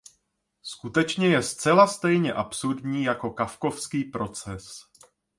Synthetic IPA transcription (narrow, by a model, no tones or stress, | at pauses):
skut̪ɛt͡ʃɲɛjɛst͡sɛlast̪ɛjɲɛʔapsuɾdɲiːjako̞kafko̞fskiːpɾo̞t͡sɛs